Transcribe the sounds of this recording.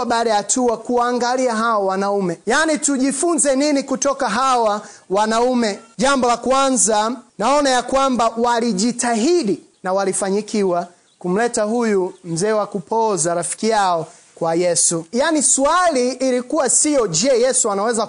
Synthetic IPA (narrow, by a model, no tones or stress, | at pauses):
ɓaːɗajatuakuwaːŋɡaliaɦaɔwanaumɛjanituʄifunzɛninikutɔkaɦawawanaumɛʄambɔlakwanzanaɔnajakwambawaliʄitaɦiɗi | nawalifaɲikiwa | kum̩lɛtahujum̩zɛːwakupɔzaɾafi̥kijaɔ | kwajɛsujaniswaliːlikuwasijɔd͡ʒɛjɛsuanawɛza